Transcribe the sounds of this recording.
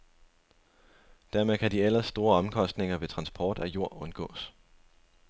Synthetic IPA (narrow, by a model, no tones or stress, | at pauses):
d̥æɐmekʰæd̥iel̰ɐsːd̥o̝ːɐɒ̽mkʰɒ̽sd̥ne̝ŋɐʋe̝t͡sʰʁɑ̈nsb̥ʰɒːd̥æjo̝ɐ̰ɔ̽nɡ̥ɔ̰̽ːs